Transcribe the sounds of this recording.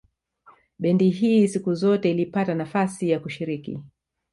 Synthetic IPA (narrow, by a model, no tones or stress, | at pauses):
ɓɛndiɦiːsikuzɔtɛilipatanafasijakuʃiɾikḭ